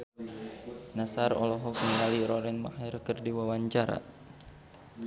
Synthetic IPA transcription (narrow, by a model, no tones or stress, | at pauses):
nasarɔ̰lɔɦɔkəŋɡaliɾɔɾɛnma̰hɛrkɨrdiwawaɲt͡ʃaɾa̰